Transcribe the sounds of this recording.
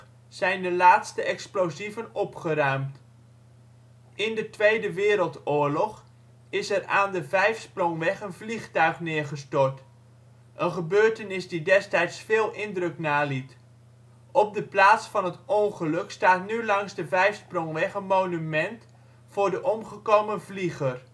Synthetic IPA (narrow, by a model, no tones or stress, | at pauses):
z̥ɛjndəlaːtstəɛksplozivənɔpχəɾœɥmt | ʔɪndətʋejdəʋɪːɾəlˠtʊːɹlɔχ | ɪsɛraːndəvɛjfsprɔŋʋɛχənvliχtœɥχnɪːɹχəstɔɹt | ʔənχəbøːɹtənɪsdidɛstɛjtsfɪːlˠʔɪndrɵknaːlit | ɔb̚dəplaːtsfɑnɦətɔŋχəlɵkstaːtnylɑŋzdəvɛjfsprɔŋʋɛχənmownymɛnt | fʊːɹdəʔɔmχəkowmənvliχər